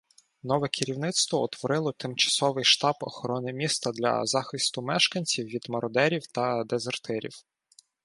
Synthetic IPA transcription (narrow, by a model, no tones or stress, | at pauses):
nɔʋɛkʰɪɾʲiwnɪt̪st̪ʋɔɔt̪ʋɔɾɪlˠɔt̪ɪmt͡ʃɐ̥sɔʋɪjʃt̪ɑbɔ̰xɔɾɔnɪmʲist̪ɐd̪lʲɐ̰zɑxɪst̪ʊmɛʃkɐnʲt͡sʲiwʋʲid̪mɐɾɔd̪ɛɾʲiwt̪ɐd̪ezert̪ɛɾʲḭw